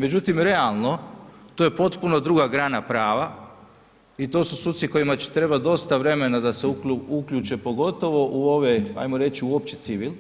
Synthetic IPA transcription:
me̞d͡ʑut̪imɾe̞alˠno̞t̪o̞ːjepo̞t̪puno̞d̪ɾuɡaɡɾaːnapɾaːʋa | it̪o̞ːsu̥suːt̪siko̞jimat͡ɕi̥t̪ɾe̞bad̪o̞st̪aʋɾe̞me̞nad̪aseuuukʎʲuːt͡ʃe̞po̞ɡo̞t̪o̞ʋo̞ʔuo̞ʋea̰jmo̞ɾe̞t͡ɕiuop̚t͡ɕet̪siʋil

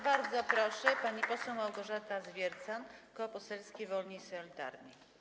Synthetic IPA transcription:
baɾd̪zɔpɾɔʂɛpaɲipɔsɛwmawɡɔʐat̪azvʲjɛɾt̪sankɔpɔsɛlskʲevɔlɲisɔlʲit̪a̰ɾɲi

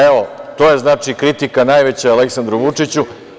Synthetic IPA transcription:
eʋot̪oːje̞znaːt͡ʂikɾit̪ikanaːjʋe̞t͡ɕaaleksand̪ɾuʋut͡ʂit͡ɕu

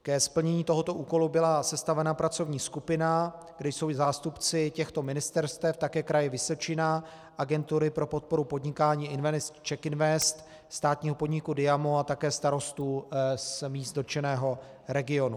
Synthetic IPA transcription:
kɛspl̩ɲɛɲiːt̪o̞ɦo̞t̪o̞ʔuːko̞lubɪlasɛst̪avɛnapɾat͡so̞vɲiːskupɪna | ɡdɛjso̞wzaːst̪upt͡sɪcɛxt̪o̞mɪnɪst̪ɛɾst̪ɛft̪akɛːkɾajɛvɪso̞t͡ʃɪna | ʔaɡɛnt̪uɾɪpɾo̞po̞t̪̚po̞ɾupo̞d̪ɲɪkaːɲiːɪnvɛnst͡ʃɛkɪnvɛst̪ | st̪aːt̪ɲiːɦo̞po̞dɲɪkudɪjamoat̪akɛːst̪aɾo̞st̪uːsmiːst̪dot͡ʃɛnɛːɦo̞ | ɾɛɡɪo̞nu

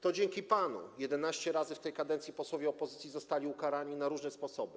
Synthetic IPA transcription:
t̪ɔd͡ʑeŋkʲipanṵjɛd̪ɛnaɕt͡ɕɛɾazɘft̪ɛjkad̪ɛnt̪sʲipɔswɔvʲjɛɔpɔzɘt̪sʲizɔst̪alʲiukaɾaɲinaɾuʐnɛspɔsɔbɘ

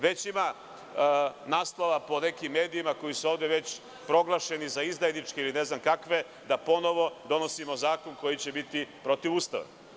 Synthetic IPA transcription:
ʋe̞t͡ɕima | naːslˠoʋapo̞ne̞kimːe̞ːd̪iimako̞jisuo̞ːʋd̪eʋe̞t͡ɕ | pɾo̞ɡlˠaʃe̞nizaizd̪ajnit͡ʃkeiline̞znamkakʋe̞ | d̪apo̞no̞ʋo̞d̪o̞no̞simo̞zaːko̞nko̞jit͡ɕe̞bit̪ipɾo̞t̪iʋuːst̪a̰ʋa̰

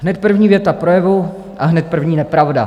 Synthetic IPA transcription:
ɦnɛt̪̚pr̩vɲiːvjɛt̪apɾojɛvu | ʔaɦnɛt̪̚pr̩vɲiːnɛpɾavda̰

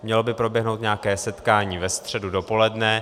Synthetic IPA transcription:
mɲɛlo̞bɪpɾo̞bjɛɦno̞wt̪ɲɛakɛːsɛt̪kaːɲiːvɛst̪r̥ɛdudo̞po̞lɛdnɛ

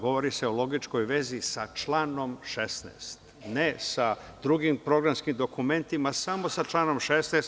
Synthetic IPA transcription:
ɡo̞ʋo̞ɾiseolo̞ɡit͡ʃko̞jʋe̞zisat͡ʃlˠaːno̞mʃest̪nḛːst̪nesa | d̪ɾuɡimpɾo̞ɡɾamskimd̪o̞kume̞nt̪imasamo̞sat͡ʃlˠaːno̞mʃesnest̪

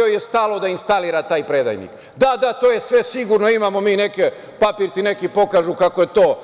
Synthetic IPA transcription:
ojest̪alˠo̞d̪ainst̪aliɾat̪aːjpɾed̪a̰jnḭk | d̪ad̪at̪oːje̞sʋe̞siɡuɾno̞imaːmomiːne̞ke | papiːɾt̪ine̞kipo̞kaːʒukako̞je̞t̪o̞ː

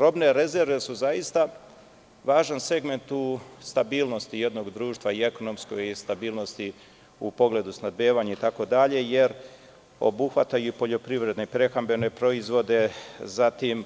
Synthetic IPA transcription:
ɾo̞bne̞ɾe̞ze̞ɾʋe̞suzajist̪a | ʋaːʒanse̞ɡme̞nt̪ust̪abiːlˠnost̪ije̞d̪no̞ɡd̪ɾuːʃt̪ʋaieko̞no̞msko̞ɡist̪abiːlˠno̞st̪i | upo̞ɡle̞d̪usnad̪̚beːʋaɲait̪ako̞d̪aʎe̞je̞ɾ | o̞̰buxʋat̪ajuipo̞ʎo̞pɾiʋɾe̞d̪nepɾe̞xambe̞ne̞pɾo̞izʋo̞d̪e̞zat̪im

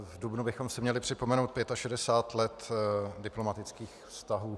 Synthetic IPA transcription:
vdubnubɪxo̞msɪmɲɛlɪpr̝̥ɪpo̞mɛnowt̪̚pjɛt̪aʃɛdɛsaːt̪lɛt̪dɪplo̞mat̪ɪt͡skiːxfst̪aɦuː

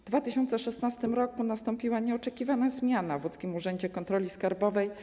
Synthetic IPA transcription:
d̪vat̪ɘɕɔnt̪sɛʂɛst̪nast̪ɘmɾɔkunast̪ɔmpʲiwaɲɛɔt͡ʂɛkʲivanazmʲjanavut̪skʲimuʐɛɲd͡ʑɛkɔnt̪ɾɔlʲiskaɾbɔvɛj

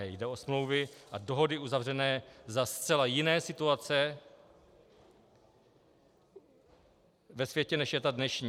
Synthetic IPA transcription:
ɛjdɛosmlo̞wvɪʔadoɦo̞dɪuzavrɛnɛːzast̪t͡sɛlajɪnɛːsɪt̪uat͡sɛ | vɛsvjɛcɛnɛʃjɛt̪adnɛʃɲiː

